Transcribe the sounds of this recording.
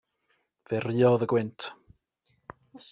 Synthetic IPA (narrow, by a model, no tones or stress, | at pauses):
v̥ɛriːɔðəɡwɪntʰ